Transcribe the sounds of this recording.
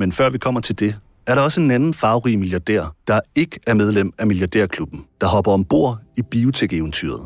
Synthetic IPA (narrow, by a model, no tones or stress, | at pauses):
menfɶɐʋikʰɒ̽m̰ɐt͡sʰe̝ld̥e̝ | æɐɾɑ̈ɒ̽səe̝nænn̩fɑ̈ʊʁimiljɑ̈d̥ḛɐ̰d̥ɑ̈e̝ɡ̥əæɐmeð̞ˠlem̰æmiljɑ̈d̥ḛɐ̰kʰlub̥n̩d̥ɑ̈hɒ̽b̥ɐɒ̽mb̥o̝ɐ̰ib̥io̝t͡sʰeɡ̥eʋnt͡sʰy̰ɐð̩ˠ